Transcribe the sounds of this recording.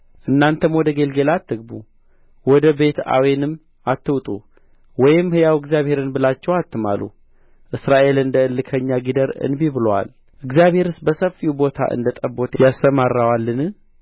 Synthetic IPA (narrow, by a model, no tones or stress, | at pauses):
ʔɨnːant̪ʰəmwɔd̪əɡelɡe̞lat̪ːɨɡ̚bu | wɔd̪əbe̞t̪a̰wenɨmː | at̪ːɨwt̪ʼu | wɔjɪmhɨjawɨɡzjaβhe̞ɾɨnbɨlat͡ʃːɛwat̪ːɨma̰lṵ | ʔɨsɾaʔe̞lɨnd̪əɨlːɨkʰəɲːaɡid̪əɾɨ̰nbiβɨlwa̰l | ʔɨɡzijaβhe̞ɾɨsbəsəfːiubo̞t̪ʰa̰ʔɨ̰nd̪ət̪ʼəbːot̪jasəmarːawalːɨnɨ